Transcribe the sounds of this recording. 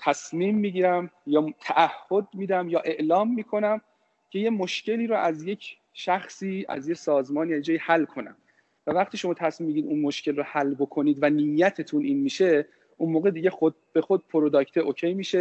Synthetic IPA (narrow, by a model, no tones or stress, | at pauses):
t̪ʰæsmiːmːiɟiːɾæmjɒːt̪ʰæʔæhːod̪̚miːd̪æmjɒːʔe̞ʔlɒːmːiːkʰo̞næm | cʰe̞je̞moʃce̞liːɾɔʔæzje̞cʰ | ʃæxsiːæ̰zjesɒːzmɒːniæjed͡ʒɒːjihælːkʰo̞næ̰m | vævæχt̪ʰiːʃo̞mɒːt̪ʰæsmimːiɟiɾid̪unmo̞ʃcʰe̞lrɔhælːbo̞kʰo̞niːd̪vænijːæt̪ʰet̪ʰunʔiːnmiːʃe̞ | ʔunmoːɣed̪iːɟe̞xod̪̚b̥e̞xod̪̚pʰoɾod̪ɒːct̪ʰeʔocʰejmiːʃe̞